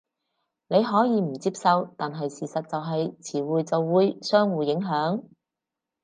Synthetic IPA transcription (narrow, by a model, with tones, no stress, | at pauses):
ne˨˧jɦɔː˨˥jiː˨˧m̩˨˩t͡siː˧˥p̚sɐ˨˧wt̪aː˨nɦɐ˨jsiː˨sɐ˨t̚t͡sɐ˨wɦɐ˨jt͡sʰiː˨˩wuː˨jt͡sɐ˨wːuː˨˧jsœː˥ŋwuː˨jɪ˨˥ŋɦœː˨˥ŋ